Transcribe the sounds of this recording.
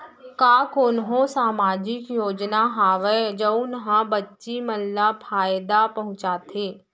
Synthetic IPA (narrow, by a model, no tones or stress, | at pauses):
kaːkʊnɦõsaːmaːd͡ʒɪkjoːd͡ʒnaɦaːʋəd͡ʒəʊnɦãbɐtːʃiməlːapʰaːjd̪apɐɦʊ̃t͡ʃaːt̪ʰeː